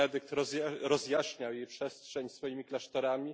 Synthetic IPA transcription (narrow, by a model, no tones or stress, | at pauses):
ɛd̪ɘk̚t̪ɾɔɛɾɔzjaɕɲawjejpʂɛstʂɛɲsfɔjimʲiklaʂt̪ɔɾamʲi